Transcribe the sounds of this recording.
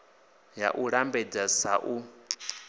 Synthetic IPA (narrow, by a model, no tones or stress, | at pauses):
ja̰ʔuɺambɛd͡zasaʔu